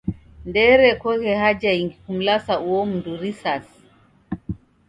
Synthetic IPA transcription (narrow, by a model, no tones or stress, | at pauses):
ndɛɾɛkɔɣɛɦad͡ʒaiŋɡikum̩lasauɔm̩nduɾisas